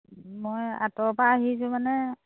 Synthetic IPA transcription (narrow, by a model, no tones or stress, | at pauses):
moja̰tɔpaːɦisʊ̃manɛ